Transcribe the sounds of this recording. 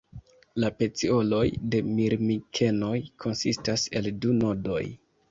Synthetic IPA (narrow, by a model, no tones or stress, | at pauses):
lape̞t͡sio̞lo̞jde̞miɾmikʰe̞no̞jkʰo̞nsistase̞̰lduno̞do̞̰j